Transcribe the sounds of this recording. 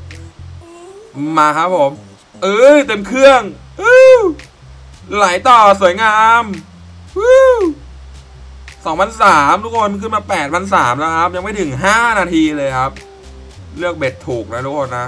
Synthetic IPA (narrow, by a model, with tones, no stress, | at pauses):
aː˧kʰa˦˥pʰːo˩˦m | ʔɯː˧t̪e˧mkʰɯ˥˩əŋ | ʔɯː˧˩ | la˩˦jt̪ɔː˨˩su˨˩˦əjŋaː˧m | ɯː˧˥ | sɔ˩˦ŋpʰa˧nsaː˩˦mt̪ʰu˦˥kʰo˧nm˧kɯ˥˩maː˧pɛː˨˩t̪̚pʰa˧ns̬aː˩˦mlɛ˦˥wkʰɾa˦˥p̚ja˧ŋma˥˩jt̪ʰɯ˨˩˦ŋɦaː˥˩naː˧t̪ʰiː˧lɤː˧jkʰa˦˥p̚ | lɯ˥˩ək̚be˨˩t̪ʰːuː˨˩k̚na˦˥t̪ʰu˦˥kʰoː˧nːa˦˥